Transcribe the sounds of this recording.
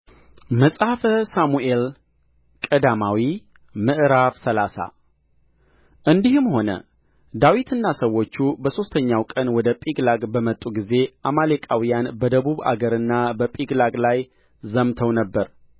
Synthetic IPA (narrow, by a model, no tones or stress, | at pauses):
məsʼhafəsamuʔe̞l | kʼəd̪amawi | mɨʔɨɾafsəlasa̰ | ʔɨnd̪ihɨmho̞nə̰ | d̪awit̪ʰɨnːasəwːo̞t͡ʃːubəso̞st̪ʰəɲːawkʼənwɔd̪əpʼiɡlaɡbəmət̪ʼːuɡize̞ʔamalekʼawijanbəd̪əβuβa̰ɡəɾɨnːabəpʼiɡlaɡlaj | zəmt̪ʰəwnəbːəɾ